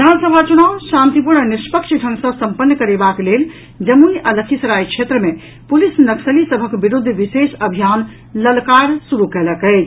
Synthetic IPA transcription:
d̪ʱansəbʱat͡ʃunawsãnt̪ipuɾɳnispəkʃɖʱə̃ŋɡsə̃səmpənːkəɾebaklel | d͡ʒəmuniʔələkʰisəɾajkʃʰet̪ɾəmẽ | pulisnəksəlisəbʱəkbiɾud̪ʱːʋisesəbʱijan | ləlkaɾsuɾukɛləkəɪt͡ʃʰ

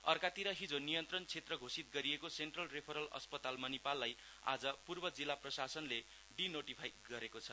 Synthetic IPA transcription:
ʌrkat̪iɾʌɦid͡zonijʌnt̪rʌnt͡sʰet̪rʌɡʱosit̪̚ɡʌɾijekosenʈrʌlrepʰʌɾʌlʌ̰spʌt̪almanepalːaj | a̰d͡zʌpurbʌd͡zilːaprʌsasʌnle | ɖinoʈipʰajɡʌɾekot͡sʰʌ

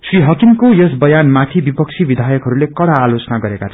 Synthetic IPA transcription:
sriɦʌkimkojʌsbʌjanmat̪ʰibipʌk̚t͡sʰibid̪ʱajʌkɦʌɾulekʌɽaːlot͡sʌnaɡʌɾekat̪ʰʌ

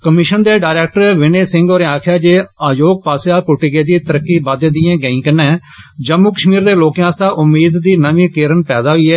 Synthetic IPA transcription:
kəmɪʃənd̪eːɖaːɪɾɛːk̚ʈəɾʋɪneːsɪ̃ŋɡoːɾeaːkʰjaːd͡ʒeːaːjoːɡ̚paːsjaːkʊʈɪɡeːd̪iːt̪əɾəkːiːbad̪eːd̪ɪjãːɡəĩːkənːɛ̃ː | d͡ʒəmːuːkəʃmiːɾd̪eːloːkjãːst̪aːʔʊmːiːd̪ːiːnəʋĩːkeːɾənpɛːd̪aːɦʊiːɛː

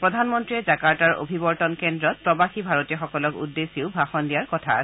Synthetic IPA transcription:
pɹɔdʱanmɔntɹiɛzakaɹtaɹo̰bʱibɔɹtɔnkɛndɹɔt̚pɹɔbaxibʱaɹotijɔxɔkɔlɔkṵdːesiʊbʱaxɔndijaɹkɔtʰa̰s

